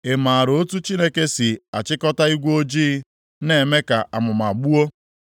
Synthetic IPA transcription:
e˨ma˨a˨ɾo˦tu˦t͡ʃi˦ne˦ke˦si˨a˨t͡ʃɪ˦kɔ˦ta˦i˦ɡʷo˦d͡ʒiː˦ | ne˨me˦ka˨ʔa̰˨mʊ˨ma˨ɡ͡bu˦o˦

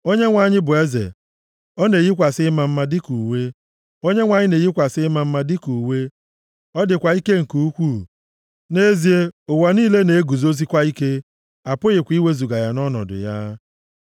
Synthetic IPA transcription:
o˦ɲe˦ŋʷa˨ɲɪ˦bʊ˨e˦zḛ˨ | ɔ˦ne˨ɣi˦kʷa˨sɪ˦ma˨m̩˦ma˦dɪ˦ku˨we˦ | o˦ɲe˦ŋʷa˨ɲɪ˦ne˨ɣi˦kʷa˨sɪ˦ma˦m̩˦ma˦dɪ˦ku˨we˦ | ɔ˦dɪ˨kʷa˨i˦ke˦ŋ̩˨ku˦u˦kʷu˦˨ | ne˦zi˨e˦ʊ˨wa˨niː˦le˦ne˨e˦ɡu˨zo˦zi˦kʷa˦i˦ke˦ | a˨pʊ˦ɣɪ˨kʷi˦we˦zu˨ɡa˨ja˨nɔ˦nɔ̰˨dʊ̰˨ja̰˦

